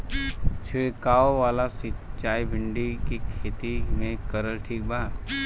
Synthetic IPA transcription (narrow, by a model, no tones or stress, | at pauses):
t͡ʃʰɪekaːoʋaːlasɪt͡ʃaːibʱɪ̃ɳɖikikʰeːt̪imẽkəɾəlʈʰiːk̚baːɾ